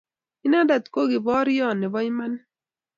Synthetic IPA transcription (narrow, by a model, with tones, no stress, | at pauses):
ɪ˦na˦da˨t̪ko˦ɡɪ˨bɔ˦ɾjɔ˦˨nɪ˨bɔ˦ɲ˦ma˦n